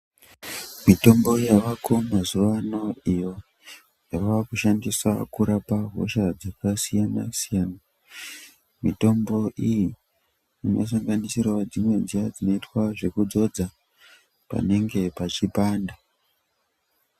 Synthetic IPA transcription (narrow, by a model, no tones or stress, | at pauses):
mito̞mbo̞jaʋakomazuʋano̞ijo̞ | jaʋaakuʃandisa̰kuɾapaɦo̰ʃad͡zakasijana̰sijaːna | mito̞mbo̞ʔiji | inos̬aŋɡanisirwad͡zimwe̞nd͡zijad͡zino̞itwaʐe̞kud͡zo̞d͡za | pa̰ne̞ŋɡe̞pat͡ʃipaːnda